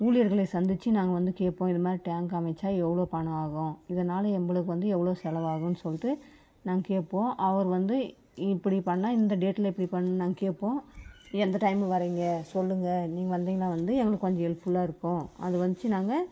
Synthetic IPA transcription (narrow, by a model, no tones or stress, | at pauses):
uːlɪjɐɾɣɐɭeɪsɐnd̪ɪt͡ʃːɯnaːŋɡɐʋɐnd̪ɯkeːʈpːõːɪðɐmaːd̪ɾiʈaːŋɡɐmɐɪt͡ʃːaːɛʋːɐɭoːpɐɳɐ̃aːɣʊ̃ɪðɐnaːlɐɛmbɐɭɯkːɯʋɐnd̪ɯɛʋːɐɭoːsɛlɐʋaːɣɐ̃nːɯsɔlːɪʈːɯ | naːŋɡɐkeːʈpːõːʔɐʋɐɾʋɐnd̪ɯ | ɪpːɐɽipɐɳːaːɪnd̪ɐɖeːʈːlɐɪpːɐɽipɐɳːɯnnaːŋɡɐkeːʈpːõːɛnd̪ɐʈɐɪmʋɐɾiːŋɡɐsɔlːɯŋɡɐniːŋɡɐʋɐnd̪iːŋɡɐlãːʋɐnd̪ɯɛŋɡɐɭɯkːkɔɲd͡ʒɐɛɭpɯɭːaːɪɾɯkːʊ̃ːɐ̰ðɯʋɐnd̪ɯt͡ʃːɯnaːŋɡɐ